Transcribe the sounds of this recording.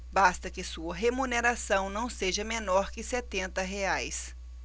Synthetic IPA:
bast̪ɐkɪsuɐɦemuneɾasɐ̃w̃nɐ̃w̃seʒɐmenɔɾkɪset̪ẽnt̪ɐɦeajs

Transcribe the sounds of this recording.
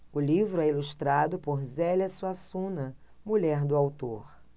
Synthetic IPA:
ʊlivɾʊɛiluʃt̪ɾad̪ʊpoɾzɛlʲɐsuasũnɐ | muʎɛɾd̪ʊawt̪oɾ

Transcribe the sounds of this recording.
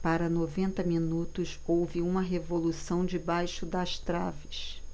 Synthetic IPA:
paɾɐnovẽnt̪ɐminut̪ʊsowvɪũmɐɦevolusɐ̃w̃d͡ʒɪbajʃʊd̪ɐʃt̪ɾa̰vɪs

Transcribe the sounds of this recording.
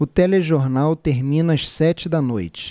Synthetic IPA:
ʊt̪ɛleʒoɾnawt̪eɾmĩnɐɐʃsɛt͡ʃɪd̪ɐnojt͡ʃɪ̥

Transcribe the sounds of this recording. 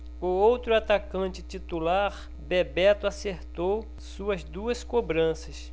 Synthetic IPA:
ʊowt̪ɾʊat̪akɐ̃t͡ʃɪt͡ʃit̪ulaɾ | bebɛt̪ʊaseɾt̪ow | suɐzd̪uɐskobɾɐ̃sɐs

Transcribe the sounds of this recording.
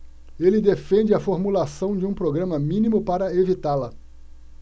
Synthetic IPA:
elɪd̪efẽnd͡ʒɪɐfoɾmulasɐ̃w̃d͡ʒɪũpɾoɡɾɐ̃mɐmĩnĩmʊpaɾɐevit̪alɐ

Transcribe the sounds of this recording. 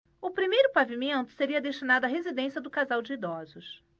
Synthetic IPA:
ʊpɾimejɾʊpavimẽnt̪ʊ̥seɾiɐd̪eʃt͡ʃinad̪ʊɐɦezid̪ẽsiɐd̪ʊkazawd͡ʒɪid̪ɔzʊs

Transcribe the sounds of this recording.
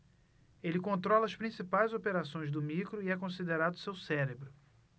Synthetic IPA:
elɪkõnt̪ɾɔlɐːspɾĩsipajzopeɾasõj̃zd̪ʊmikɾʊiɛkõsid̪eɾad̪ʊsewsɛɾebɾʊ

